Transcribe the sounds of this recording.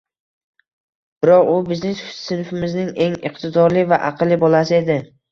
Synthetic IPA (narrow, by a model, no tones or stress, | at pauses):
b̥ɪɾɒqʊbɪznesʊsɪnfɪmɪznɪŋe̞ŋɪ̰qt̪ʰɪd̪ɒɾlɪvaʔaqʰɨlːɪbolˠasɪe̞d̪ɪ